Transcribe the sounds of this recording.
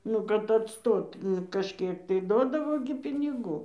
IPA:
ˈnʊ kɐt ɐtˈstoːt ˈnʊ kɐʃʲˈkʲiɛk tɐɪ ˈduɔdɐʋoː ɡʲɪ pʲɪnʲɪˈɡuː

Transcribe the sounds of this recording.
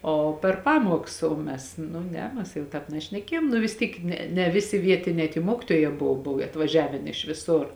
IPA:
oː pʲɛr ˈpɑːmuɔks oː ˈmʲɛs nʊ ˈnʲɛ ˈmʲɛs jɛʊ ˈtɑːp nʲɛʃʲnʲɛˈkʲiɛjoːm nʊ ʋʲɪs ˈtʲiːk ˈnʲɛ nʲɛ ˈʋʲɪˌsʲɪ ˈʋʲiɛtʲɪnʲɛː tʲiɛ ˈmuɔkʲɪtuɔjɛː jɛʊ ˈboːw ˈboːw ɐtʋɐˈʒʲæːʋʲeːn ɪʃ ʋʲɪˈsʊr

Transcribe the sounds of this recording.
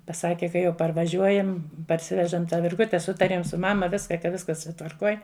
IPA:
pɐˈsɑːkʲɛ kɐ jɛʊ pɐrʋɐˈʒʲuɔjɛm pɐrʲˈsʲɪʋʲɛʒɐm tɑː ʋʲɪrˈɡʊtʲɛ ˈsʊtɐrʲeːm sʊ ˈmɑːmɐ ˈʋʲɪskɐ kɐ ˈʋʲɪskɐs tʋɐrˈkoːj

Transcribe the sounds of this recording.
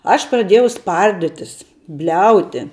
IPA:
ɐʃ prɐˈdʲeːjɛʊ ˈspɐrʲdʲɪtʲɪs ˈbʲlʲɛʊtʲɪ

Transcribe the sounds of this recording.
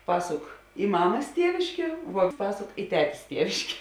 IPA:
ˈpɑːsʊk ɪ ˈmɑːmɐs ˈtʲiɛʋʲɪʃʲkʲeː ʋuɔ ˈpɑːsoːk ɪ ˈtʲæːtʲeːs ˈtʲiɛʋʲɪʃʲkʲeː

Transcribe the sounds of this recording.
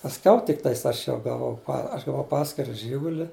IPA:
pɐsʲˈkʲɛʊ tʲɪkˈtɐɪs ˈɐʃ ˈjɛʊ ɡɐˈʋɐʊ ɐʃ ɡɐˈʋɐʊ ˈpɑːsʲkʲɪrɐ ˈʒʲiːɡʊlʲɪ

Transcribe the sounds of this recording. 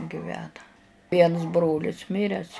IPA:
ɡʲɪˈʋʲæːnɐ ˈʋʲiɛns ˈbroːlʲɪs ˈmʲɪrʲɛs

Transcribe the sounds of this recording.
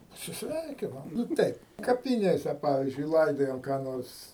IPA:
pɐsʲɪsʲˈʋʲɛɪkʲɪnɐm nʊ ˈtʲɛɪp kɐpʲɪˈnʲeːsʲɛ ˈpɑːʋʲɪzʲd͡ʒʲʊɪ ˈlˠɐɪdoːjɛm kɑː ˈnoːrs

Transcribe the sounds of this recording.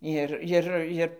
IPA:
ˈɪr ˈjɪr ˈɪr

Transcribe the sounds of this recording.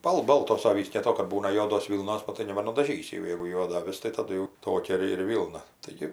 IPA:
ˈbɐlˠ ˈboːlˠtoːs ˈɑːʋʲiːs dʲeːlˠˈtoː kɐt ˈbuːnɐ ˈjuɔdoːs ˈʋʲiːlˠnoːs ˈnʊ tɐɪ nʲɛbɐnʊdɐˈʒʲiːsʲɪ jɛʊ ˈjɛɪɡʊ ˈjuɔdɐ ɐˈʋʲɪs tɐɪ tɐˈdʊ jɛʊ ˈtoːkʲɛ ɪr ɪr ˈʋʲiːlˠnɐ tɐɪˈɡʲɪ

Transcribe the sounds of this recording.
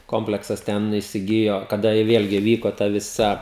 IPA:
ˈkoːmʲpʲlʲɛksɐs ˈtʲɛn iːsʲɪˈɡʲɪjoː kɐˈdɐ ɪ ˈʋʲeːlʲɡʲɪ ˈʋʲiːkoː ˈtɐ ʋʲɪˈsɐ

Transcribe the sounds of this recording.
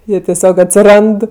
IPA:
ˈjiɛ tʲɛˈsʲoːk ɐtʲsʲɪˈrɐnt

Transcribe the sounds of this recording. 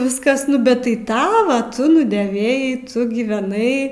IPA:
ˈʋʲɪskɐs nʊ ˈbʲɛt tɐɪ ˈtɑːʋɐ tʊ nʊdʲeːˈʋʲeːjɛɪ ˈtʊ ɡʲiːʋʲɛˈnɐɪ

